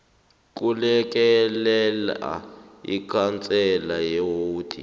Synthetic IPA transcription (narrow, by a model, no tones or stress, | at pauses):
k̬ulɛk̬ɛlɛla̰ | ḭkʰant͡sʼɛlajewoːd̥ʰʱʼḭ